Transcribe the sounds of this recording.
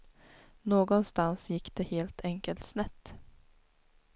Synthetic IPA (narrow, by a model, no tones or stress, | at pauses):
noːɡɔnst̪ansjɪkːd̪̥eheːlt̪ʰɛŋkəlt̪snɛt̪ː